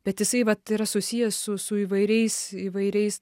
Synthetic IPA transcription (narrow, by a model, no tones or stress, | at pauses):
b̥ʲɛt̪jɪsɐɪʋɐt̪iɾɐsʊsʲijɛssʊsʊiːʋɐɪɾʲɛɪsiːʋɐɪɾʲɛɪs